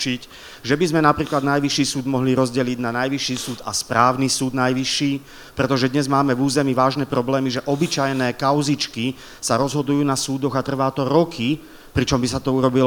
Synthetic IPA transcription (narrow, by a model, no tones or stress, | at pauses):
t͡ʃic | ʒɛbizmɛnapɾiːklad̪najʋiʃiːsuːd̪mɔɦliɾɔzɟɛliɟnanajʋiʃiːsuːd̪a̰spɾaːʊnisuːd̪najʋiʃːiː | pɾɛt̪ɔʒɛd̪ɲɛzmaːmɛvuːzɛmiʋaːʒnɛpɾɔblɛːmiʒɛʔɔbit͡ʃajnɛːkaʊzit͡ʃki | saɾɔzɦɔd̪ujuːnasuːd̪ɔɣat̪r̩ʋaːt̪ɔɾɔkʰi | pɾit͡ʃɔmbisat̪ɔuɾɔbilɔ